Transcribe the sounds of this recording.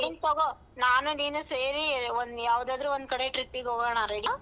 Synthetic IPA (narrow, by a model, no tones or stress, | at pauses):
int̪oːɡo | naːnuniːnuseːɾiond̪jaːʋud̪aːd̪ɾuond̪̚kɐɽeʈɾipːiɡɦoːɡɔːɳaɾeɽi